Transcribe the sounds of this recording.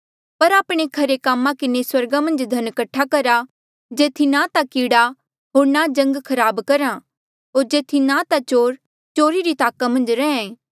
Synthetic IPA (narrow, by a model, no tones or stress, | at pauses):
pɐɾaːpɽ̃ekʰɐɾekaːmːãkɪneswɐɾɡamɐ̃nd͡ʒd̪ʱɐnkəʈʰːakɐɾa | d͡ʒeːt̪ʰinat̪akiːɽa | ɦoːɾnad͡ʒɐ̃ŋɡkʰɐɾaːbkɐɾã | ɦoːɾd͡ʒeːt̪ʰinat̪at͡ʃoːɾ | t͡ʃoːɾiɾit̪aːkamɐ̃nd͡ʒɾɛ̃ːẽː